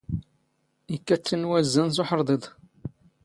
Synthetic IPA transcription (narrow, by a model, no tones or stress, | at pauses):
ikːæt͡sːənwæzːəns̬oħɾˤd̪ˤed̪ˤ